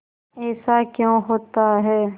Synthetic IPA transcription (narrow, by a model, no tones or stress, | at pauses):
ɛːsakjõɦoːt̪aɦɛː